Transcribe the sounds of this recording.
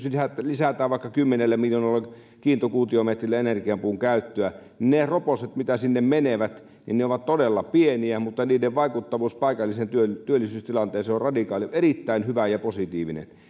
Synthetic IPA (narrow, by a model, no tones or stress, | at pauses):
sisæt̪lisæt̪æːʋʋɑˑikːɑkymːenelːæmiljoːnɑlːɑ | kiːnt̪okuːt̪iomet̪rilːæenerkiɑmpuːŋkæˑyt̪ːøæninneroposet̪mit̪æsinːemmeneʋæt̪ | nḭnneoʋɑt̪t̪odelːɑpieniæmut̪ːɑniːdeʋʋɑikut̪ːɑʋuːspɑˑikɑlːisent̪yøt̪yølːisyːst̪ilɑnt̪ˑeːnseorrɑdikɑːliʔerit̪ːæˑinhyʋæjɑposit̪iːʋinḛn